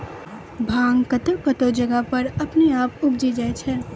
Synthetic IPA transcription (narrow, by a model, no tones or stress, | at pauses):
bʱãːŋɡkɐt̪okɐt̪od͡ʒɐɡapɐɾɐpneaːpʊbd͡ʒid͡ʒaːet͡ʃʰɛː